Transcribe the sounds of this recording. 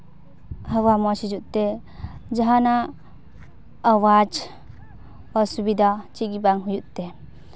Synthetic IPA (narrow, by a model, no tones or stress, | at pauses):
hawamɔsid͡ʒuʔt̪ɛ | d͡ʒaɦana | wad͡ʒ | asubid̪at͡ʃiɡibaŋɦujuʔt̪e